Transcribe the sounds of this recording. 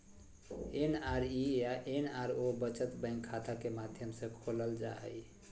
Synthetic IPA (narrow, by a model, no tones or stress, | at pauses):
enaɾijaʔenaɾobət͡ʃət̪bə̃ɪ̃ŋkʰːat̪akemad̪ʱjəmsẽkʰoləld͡ʒaɦə̰j